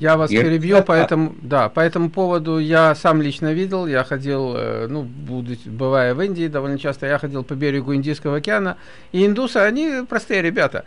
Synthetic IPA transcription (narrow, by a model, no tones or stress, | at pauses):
javasppʲɪɾʲɪbjupɐɛt̪əmʊd̪apɐɛt̪əmʊpo̞vəd̪ʊjasamlʲit͡ɕnəvʲidʲɪlˠjaxɐdʲilˠnubud̪ʊbɨvajəvɨnʲdʲɪːd̪ɐvo̞lʲnət͡ɕast̪əjaxɐdʲilˠpɐbʲeɾʲɪɡʊɪnʲdʲijskəvəɐkʲɪanə | iɪnd̪usɨɐnʲipɾɐst̪ɨjəɾʲɪbʲat̪ə̰